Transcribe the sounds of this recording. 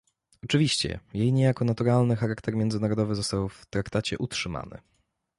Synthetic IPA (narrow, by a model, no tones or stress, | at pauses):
ɔt͡ʂɘvʲiɕt͡ɕɛ̰jejɲejakɔnat̪uɾalnɘxaɾakt̪ɛɾmʲjɛnd̪zɘnaɾɔd̪ɔvɘzɔst̪awft̪ɾakt̪at͡ɕɛʔutʂɘma̰nɘ̰